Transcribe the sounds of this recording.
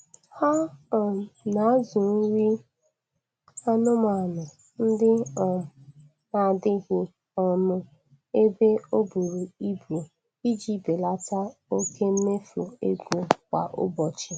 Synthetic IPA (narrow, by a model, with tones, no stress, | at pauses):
hɔ˦˨ | na˨˦zʊ˨n̩˦ɾi˦ | a˦nʊ˦ma˨nʊ˨ | n̩˦dɪ˦ɔ˨ | na˨dɪ˦ɣɪ˦ | ɔ˦mʊ˦ | e˦be˦o˦bu˨ɾu˨i˦bu˨o˨ | i˦d͡ʒi˦be˨la˦ta˦o˦kʰe˦m̩˦me˦fu˨ḛ˦ɡʷu˨kʷa̰˨ʔʊ̰˦bɔ˨t͡ʃɪ˨